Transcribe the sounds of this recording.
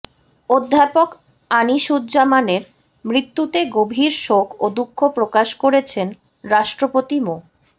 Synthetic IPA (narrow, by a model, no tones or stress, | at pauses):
od̪ʱːapok | aniʃudd͡ʑamaneɾ | mɾit̪ːut̪eɡobʱiɾʃokʰod̪ukʰːopɾokaʃkoɾet͡ɕʰen | ɾaʃʈɾopot̪imo